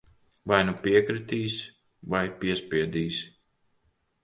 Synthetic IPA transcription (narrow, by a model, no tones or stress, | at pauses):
vajnupiɛkɾit̪iːs | vajpiɛspʲiɛd̪iːs